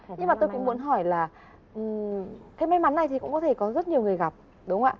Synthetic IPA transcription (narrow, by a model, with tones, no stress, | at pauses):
ɲɨ˧ŋmaː˨˩t̪o˧jkʊ̰˧˥ŋ͡mmu˨˧˦ənɦɔ˧˩jlaː˨˩ | ʔɨ˨˩ka˨˦jma˧jma˨˦nːa˨˩jt̪i˨˩kʊ̰˧˥ŋ͡mkɔ˨˦t̪ʰe˧˩kɔ˨˦zə˦˥t̚ɲi˨˩ŋɨ˨˩əjɣa˨˩p̚ | ɗʊ˨˦ŋ͡mʔa̰ː˧˨